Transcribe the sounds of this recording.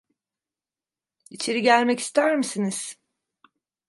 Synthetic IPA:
it͡ʃʰeɾiɟælʲmɛci̥st̪ʰæɾmisiniz̥

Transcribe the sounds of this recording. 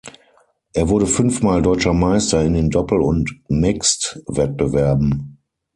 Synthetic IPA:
ʔeːɐvʊɐɾəfʏnfmaːldɔʏt͡ʃɐmaɪstɐɪndeːndɔpl̩ʊntmɪkstvɛt̚b̥əvɛɐbm̩

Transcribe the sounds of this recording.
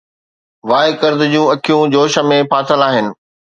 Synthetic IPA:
ʋaːɪkɐɾd̪ɪ̆d͡ʑiũɐkʰijũd͡ʑoːʃə̆mẽpʰaːsəlaːɦɪnɪ̆

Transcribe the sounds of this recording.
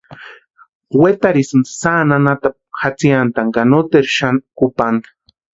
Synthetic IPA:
wet̪aɾisnsananat̪ap̚xat͡siant̪aŋɡanot̪eɾʃankupaŋɡḁ

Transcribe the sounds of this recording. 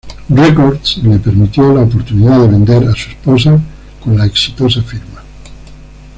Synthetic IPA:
rekoɾd̪slepeɾmit̪jolaopoɾt̪uniðaðeβend̪eɾasuespos̬a | kõnlaeksi̥t̪osafiɾma

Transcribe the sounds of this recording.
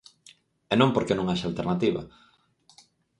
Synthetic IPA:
ɛnõŋpoɾkenõŋaʃalt̪eɾnat̪iβɐ̰

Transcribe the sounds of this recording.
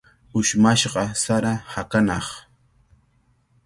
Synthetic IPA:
ʊʃmaʃɢɑsaɾahakanɑχ

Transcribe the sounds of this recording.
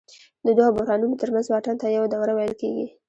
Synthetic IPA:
d̪əd̪waabʊhɾɑnumot̪əɾmanzwɑʈant̪ajawad̪awɾawajəlkeɡi

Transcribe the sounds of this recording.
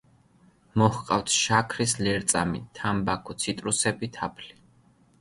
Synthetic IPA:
mɔhqʼaft̪ʰʃakʰɾislɛɾt̪sʼamḭt̪ʰambakʰɔt̪sʰit̪ʼɾusɛbit̪ʰapʰli

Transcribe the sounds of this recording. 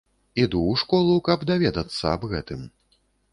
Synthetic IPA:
id̪uwʂkɔlˠukɐbd̪avʲɛd̪ɐt̪sːɐ̰ɐbɣɛt̪ɨm

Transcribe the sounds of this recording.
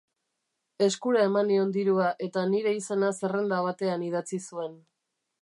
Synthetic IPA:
e̞skuɾae̞manio̞nd̪iɾuaʔe̞t̪aniɾe̞ise̞nase̞re̞nd̪aβ̞at̪e̞anið̞at͡sisue̞n

